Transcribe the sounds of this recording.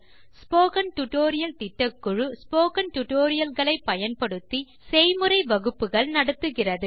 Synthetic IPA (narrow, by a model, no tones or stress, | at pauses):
spoːkɐnʈʊʈoːɾɪjɐlt̪ɪʈːɐkːʊɻɯspoːkɐnʈʊʈoːɾɪjɐlɣɐɭɐɪpːɐjɐnpɐɽɯt̪ːi | sɛjmɯrɐɪʋɐɣɯpːɯɣɐɭnɐɽɯt̪ːɯɣɪrɐðɯ